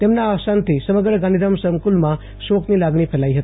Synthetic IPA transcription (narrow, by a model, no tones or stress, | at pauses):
t̪emnaːsant̪ʰisəməɡɾəɡanid̪əmsəmkulma | soknilaɡnipʰelajɦət̪